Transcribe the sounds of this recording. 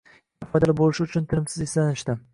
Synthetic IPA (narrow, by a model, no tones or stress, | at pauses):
ɪfɒjd̪alɪbolɪʃɪʊt͡ʃʰʊnt̪ʰɪɾɪmsɪzeslanɪʃt̪ɪ